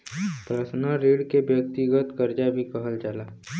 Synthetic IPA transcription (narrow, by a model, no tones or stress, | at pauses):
pɾəsnəɾeːɽkebjək̚t̪iɡət̪kəɾd͡ʒabʱikəɦəld͡ʒaːla